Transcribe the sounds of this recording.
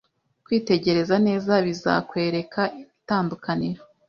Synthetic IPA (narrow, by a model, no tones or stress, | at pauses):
kwiːte̞ɟe̞ɾe̞zane̞ːzaβiza̰kwe̞ːɾe̞kʰaʔitaːndukaniɾo